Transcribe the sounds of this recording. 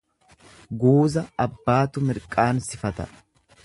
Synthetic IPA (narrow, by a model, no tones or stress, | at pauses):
ɡuːzɐɐbːaːt̪ʊmɪɾkʼaːnsɪfɐt̪ɐ̰